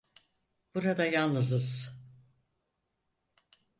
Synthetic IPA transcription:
b̥uɾad̪ajalˠnɯzɯz̥

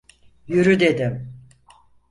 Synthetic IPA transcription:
jyɾyd̪e̞d̪im

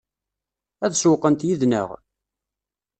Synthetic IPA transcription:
æðswqənt̪jiðnə̰ʁ

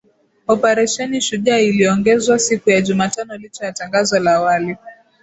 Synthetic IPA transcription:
ɔpɛɾɛʃɛniʃuʄailiɔŋɡɛzwasikujaʄumatanɔlit͡ʃɔjataŋɡazɔlaːwali

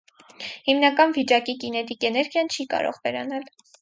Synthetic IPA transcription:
himnɑkɑnvit͡ʃɑkikinɛt̪ikɛnɛɾɡjɑnt͡ʃʰikɑ̰ɾɔ̰ʁvɛɾɑ̰nɑl

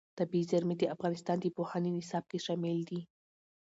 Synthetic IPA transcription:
t̪abizaɾmed̪əafɣɑnɪst̪ɑnd̪əpohɑnenɪsɑb̚keʃɑmɪld̪i

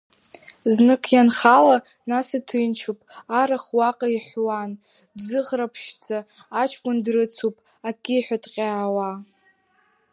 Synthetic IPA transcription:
znɨkʰjanχala | nasatʰɨjnt͡ʃʰupʼaɾaχwaqʼaiħʷwan | d͡zɨʁrapʰʃd͡zaːt͡ʃʰkʷʼʊndrɨt͡sʰupʼ | akʲʼiħʷᶣatʼqʲʼaːwa

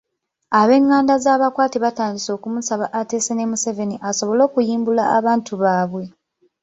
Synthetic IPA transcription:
aβe̞ŋːaːndazaːβakwaːtiβataːndiso̞ːkumusaβaʔate̞ːsenemuseve̞niʔaso̞βo̞lo̞ːkujiːmbulaːβaːntʰuβaːβwe̞

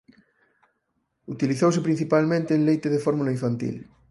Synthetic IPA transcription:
ut̪iliθowsepɾĩn̟θipalmẽnt̪ẽːnlejt̪eðefoɾmulaiɱfant̪ḭl

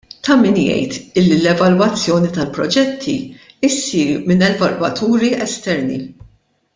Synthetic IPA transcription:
t̪ɐmɪnjɛ̰jt̪ɪlːilɛvɐlwɐt͡sːjɔːnit̪ɐlpɾɔd͡ʒɛt̪ʰːḭ | ɪsiːɾmɪnɛvɐlwɐt̪ʰuːɾiɛst̪ɛɾnḭ

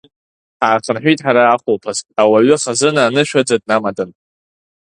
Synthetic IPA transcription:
ħaːχʰənħʷᶣijtʼħaɾaːχʷʊlpʰazawaɥʏχazɨnaːnɨʃᶣad͡zad̚namadʼɨn

